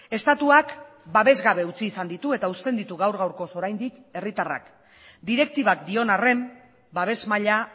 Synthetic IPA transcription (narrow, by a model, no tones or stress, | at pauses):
e̞st̪at̪uak | baβe̞zɣaβe̞ut͡siːsand̪it̪ue̞t̪aust̪e̞nd̪it̪uɣawɾɣawɾko̞so̞ɾajnd̪ike̞rit̪ara̰k | d̪iɾe̞k̚t̪iβak̚d̪io̞nare̞m | baβ̞e̞zmaʎa